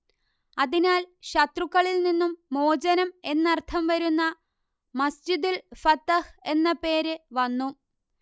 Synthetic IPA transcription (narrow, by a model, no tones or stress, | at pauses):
ɐðinaːlɕɐt̪rukːɐɭilninːumːo̞ːd͡ʑɐnɐme̞nːɐrt̪ʰɐmʋɐɾunːɐ | mɐsd͡ʑid̪ulfɐt̪ːɐhe̞nːɐpe̞ːɾɨʋɐnːu